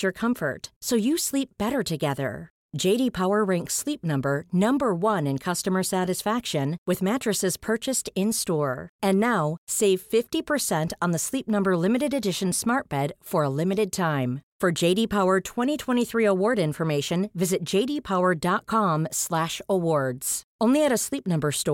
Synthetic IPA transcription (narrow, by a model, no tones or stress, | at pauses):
ə˞kʰʌ̃ɱfə̰˞tsoʊjɨslip̚b̥ɛɾə˞ɾɨɡɛðə̰̥˞ | d͡ʒeɪɾipʰaʊə˞ɹɛ̃ŋkslip̚nʌ̃mbə˞nʌ̃mbə˞wʌ̃nɨ̃nkʰʌstɨmə˞sæɾɨsfækʃɨ̃nwɨðmæt͡ʃɹ̥ɨsɨz̥pʰɜ˞t͡ʃɨstɪ̃nstɔɹɨ̃nːaʊseɪv̥fɪftipʰə˞sɛ̃ntn̩ðəslip̚nʌ̃mbə˞lɪ̃mɨɾɨɾɨdɪʃɨ̃nsmɑɹt̚b̥ɛd̥fə˞əlɪ̃mɨɾɨd̚tʰãɪ̃mfə˞d͡ʒeɪɾipʰaʊə˞tʰw̥ɛ̃ɾ̃itʰw̥ɛ̃ɾ̃iθɹiəwɔɹɾɪ̃ɱfə˞meɪʃɨ̃nvɪzɨt̚d̥ʒ̥eɪɾipʰaʊə˞dɑt̚kʰɑ̃mslæʃəwɔɹdz̥ʔõʊ̃nliɨɾɨslip̚nʌ̃mbə˞stɔ